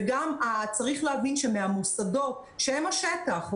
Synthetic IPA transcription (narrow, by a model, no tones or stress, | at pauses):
ɡamat͡saʁiχleavinʃemeamusado̞t | ʃeemaʃetaχ